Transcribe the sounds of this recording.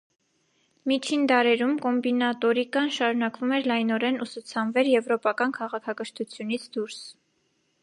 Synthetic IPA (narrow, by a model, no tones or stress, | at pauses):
mit͡ʃʰind̪ɑɾɛɾumkɔmbinɑt̪ɔɾikɑnʃɑɾunɑkvumɛɾlɑjnɔɾɛnusut͡sʰɑnvɛɾjɛvɾɔpɑkɑnkʰɑʁɑkʰɑkəʃt̪ʰut͡sʰjunit͡sʰd̪uɾs